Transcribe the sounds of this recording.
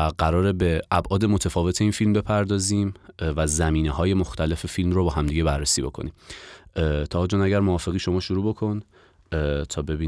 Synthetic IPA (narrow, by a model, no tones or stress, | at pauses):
ɢæɾɒːɾe̞be̞ʔæbʔɒːd̪e̞mo̞t̪ʰefɒːve̞t̪ʰe̞iːnfilmbe̞pʰæɾd̪ɒːziːmvæzæmiːneɦɒːje̞moxt̪ʰæle̞fe̞filmrobɒːɦæmd̪iːɟe̞bærːesiːbo̞̰kʰo̞̰niːm | t̪ʰɒːd͡ʒonæɟæɾmoɒːfe̞ɣiːʃomɒːʃuɾuːbo̞kʰo̞n | t̪ʰɒːbe̞biː